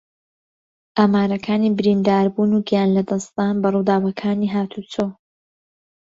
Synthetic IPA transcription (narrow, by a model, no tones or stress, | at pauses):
ʔaːmaːɾɐkʰaːniːbɨɾind̪aːɾbuːnuɡijaːnlɐd̪ɐst̪aːnbɐruːd̪aːwɐkʰaːniːɦaːt̪ʰut͡sʰoː